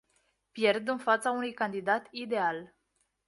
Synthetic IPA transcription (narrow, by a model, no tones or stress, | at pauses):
pje̞rd̪ɨnfat̪saunujkand̪id̪at̪id̪e̞al